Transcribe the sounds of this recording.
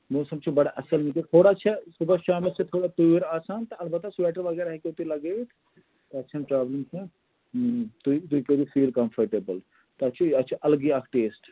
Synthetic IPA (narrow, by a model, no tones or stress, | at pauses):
moːsɐmt͡ʃʰibɐɽaʔɐsɐlmiket̪ʰoːɽat͡ʃʰɛsubəʃaːmilt͡ʃʰet̪ʰoːɽat̪uʋiɾaːsaːnt̪ɐɐlbɐt̪ɐsbɛːʈəɾʋɐɡɛːɾaɦɛkeʊt̪ilɐɡeːt̪ʰ | t̪oɐtːʃʰɐnpɾaːbləmt͡ʃʰe | t̪uit̪uikeb̪ifiːlkɐmfʰəɾʈeːbəl | t̪oɐt͡ʃʰiɐtːt͡ʃʰeʔɐlɡiakʰʈeːsʈ